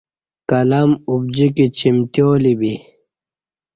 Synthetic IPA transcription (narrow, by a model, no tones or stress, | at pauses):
kɐlɐmub̚d͡ʑikit͡ɕimt̪joːlibi